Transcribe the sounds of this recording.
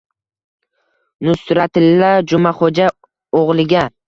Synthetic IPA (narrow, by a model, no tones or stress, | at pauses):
nʊsɾat̪ɪlːad͡ʒʊmaχod͡ʒa | oʁlˠɪɡʲa